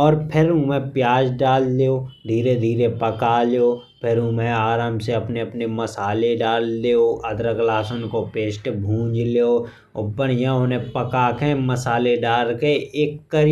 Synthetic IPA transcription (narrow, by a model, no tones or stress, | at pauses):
ɔːɾpʰɪɾũmɛ̃pjaːd͡ʒɖaːlːeoːd̪ʱiːɾed̪ʱiːɾepəkaleo | pʰɪɾũmẽaːɾaːmseɐpneɐpnemɐsaːleɖaːlːeːoʔɐd̪ɾəklaːsənkopeːʃʈbʱũːd͡ʒleo | ʊbəɽjãonepəkaːkẽməsaːleɖaːlkeeːkːəɾ